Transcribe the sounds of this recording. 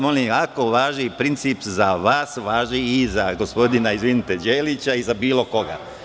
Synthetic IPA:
molimakoʋaːʒipɾint̪sipzaʋaːsʋaːʒniːzaɡospo̞d̪inaizʋinit̪ed͡ʑeːlit͡ɕaizabiːlˠo̞ko̞ɡa̰

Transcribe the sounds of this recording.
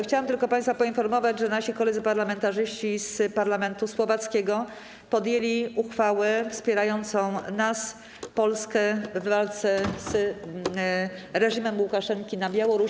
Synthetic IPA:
xt͡ɕawamt̪ɘlkɔpaj̃st̪fapɔinfɔɾmɔvad͡ʑʐɛnaɕikɔlɛd̪zɘpaɾlamɛnt̪aʐɘɕt͡ɕispaɾlamɛnt̪uswɔvat̪skʲɛɡɔ | pɔd̪jelʲiuxfawɛfspʲjɛɾajɔnt̪sɔ̃w̃nas | pɔlskɛvːalt̪sɛz | ɾɛʑimɛmwukaʂɛŋkʲinabʲjawɔɾu

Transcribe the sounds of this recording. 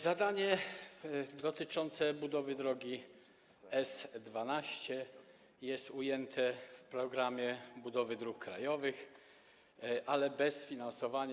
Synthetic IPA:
zad̪aɲɛ | d̪ɔt̪ɘt͡ʂɔnt̪sɛbud̪ɔvɘd̪ɾɔɡʲi | ɛsd̪vanaɕt͡ɕɛ | jɛst̪ujɛnt̪ʰɛfpɾɔɡɾamʲjɛbud̪ɔvɘd̪ɾukːɾa̰jɔvɘx | ʔalɛbɛsfʲinansɔvaɲ

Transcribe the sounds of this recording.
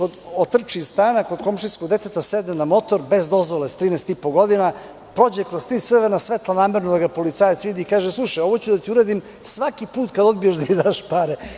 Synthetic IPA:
kod̪ot̪r̩t͡ʃist̪aːnako̞d̪ko̞mʃiskoɡd̪e̞t̪et̪ased̪nenamo̞t̪oɾbe̞zd̪o̞zʋolest̪ɾiːnest̪ipoɡo̞d̪ina | pɾo̞d͡ʑekɾozt̪ɾiːt̪r̩ʋeɾnasʋet̪lˠanaːmeɾnod̪aɡapo̞lit̪saːjat̪sʋid̪iːkaːʒeslˠuʃajo̞ʋot͡ɕud̪at̪iuɾeːd̪im | sʋakipuːt̪kad̪o̞d̪bijaʃd̪amid̪aːʃpaɾe

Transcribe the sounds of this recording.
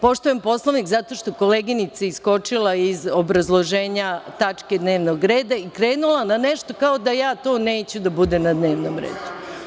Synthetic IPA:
po̞ʃt̪ojempo̞slˠoʋnikzat̪o̞ʃt̪oko̞leɡinit̪saisko̞t͡ʃilˠaizobɾazlˠoʒeːɲat̪at͡ʃked̪ne̞ːʋnoɡɾeːd̪aikɾeːnulˠananeʃt̪o̞kaod̪ajaːt̪o̞ːne̞ːt͡ɕud̪abud̪emnad̪ne̞ːʋnomɾḛːd̪u

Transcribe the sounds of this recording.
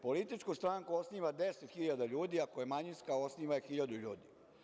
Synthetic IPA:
po̞lit̪it͡ʃkust̪ɾaːŋkuosniːʋad̪eset̪xiʎad̪aʎuːd̪iakojemaɲinskao̞sniːʋajexiʎad̪uʎuːd̪i

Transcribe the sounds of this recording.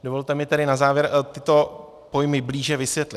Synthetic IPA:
do̞vo̞lt̪ɛmɪt̪ɛɾɪnazaːvjɛɾt̪ɪt̪o̞ | po̞jmɪbliːʒɛvɪsvjɛt̪lɪt̪

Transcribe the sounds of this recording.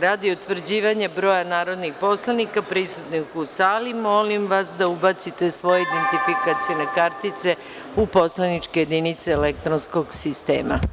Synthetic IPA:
ɾaːd̪iut̪ʋr̩d͡ʑiːʋaɲebɾo̞ːjanaːɾo̞d̪nixpo̞slˠanikapɾisut̪nixusaːlimo̞limʋasd̪aubat̪sit̪e̞sʋo̞jeid̪ent̪ifikat̪sijenakaɾt̪it̪se̞ | upo̞slˠanit͡ʃkeje̞d̪init̪seːlek̚t̪ɾonsko̞ɡsist̪ḛːma̰

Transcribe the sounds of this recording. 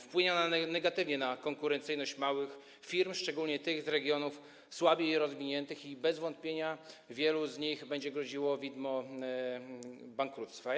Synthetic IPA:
fpwɘɲɔnanɛɡat̪ɘvɲɛnakɔŋkuɾɛnt̪sɘjnɔɕt͡ɕmawɘx | fʲiɾmʂt͡ʂɛɡulɲɛt̪ɘɣzɾɛɡʲjɔnuf | swabʲjɛiɾɔzvʲiɲɛnt̪ɘxibɛzvɔnt̪̚pʲjeɲavʲjɛluzɲiɣbɛɲd͡ʑɛɡɾɔd͡ʑiwɔvʲid̪mɔ | baŋkɾut̪st̪fa

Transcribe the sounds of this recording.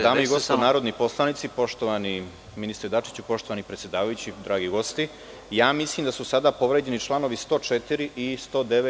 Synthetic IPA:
d̪aːmoiɡosonaːɾo̞d̪nipo̞slˠanit̪sipo̞ʃt̪oʋani | minist̪ɾed̪at͡ʃi̥t͡ɕupo̞ʃt̪oʋanipɾesʲje̞d̪aːʋajut͡ɕid̪ɾaːɡiɡo̞st̪i | jaːmislˠiːmd̪asusad̪aːpo̞ʋɾed͡ʑe̞nit͡ʃlˠano̞ʋist̪o̞ːt͡ʃet̪iɾiʔist̪o̞ːd̪eʋe

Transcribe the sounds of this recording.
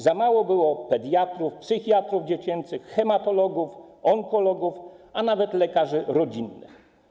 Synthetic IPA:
zamawɔbɘwɔpɛd̪jat̪ɾufpsɘxʲjat̪ɾuvd͡ʑet͡ɕɛnt̪sɘxxɛmat̪ɔlɔɡufɔŋkɔlɔɡufanavɛt̪lɛkaʐɘɾɔd͡ʑinːɘ̰x

